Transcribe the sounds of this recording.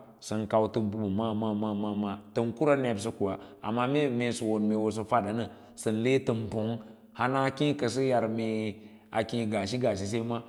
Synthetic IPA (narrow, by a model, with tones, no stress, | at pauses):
sə˨nka˨wtə˨mbu˨bu˨ma˦ma˦ma˦ma˦ma˦tə˨nku˦ɾa˦ne˨bs̬ə˦ku˨wa˨a̰˨mːa˦me˦me˨su˨wo˨nme˨wo˨s̬ə˨fa˦da˨˦nə˨ | sə˨n˨le˦tə˨mpo˨˦ŋ | ha˦na˦kĩ˦kə˨s̬ə˦ja˨ɾme˨ | a˨kĩ˦ɡa˨ʃi˦ɡa˨ʃ̬i˨s̬e˦ma˦